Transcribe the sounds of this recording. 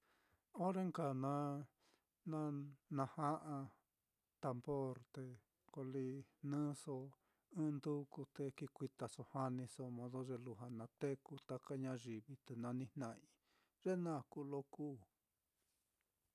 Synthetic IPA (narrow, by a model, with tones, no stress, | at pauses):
o˦ɾe˦ŋka˨nã˧˦ | nã˦nã˧ha˦ʔã˧ | t̪a˧mbo˦ɾt̪e˧ | ko˧li˧nɨ̃ː˦so˧ | ɨ̃˦˧nd̪u˦ku˧t̪e˧ki˧kʷi˧t̪a˨so˧ha˦nĩ˧so˧mõ˧ðo˦ʐe˧lu˧ɦa˧nã˧t̪e˦ku˧t̪a˧ka˦ɲã˧ʐi˨βi˧t̪e˨nã˧nĩ˧nnã˧˨ʔĩ˧ | ʐe˦nã˦˨ku˦lo˦kuː˦˨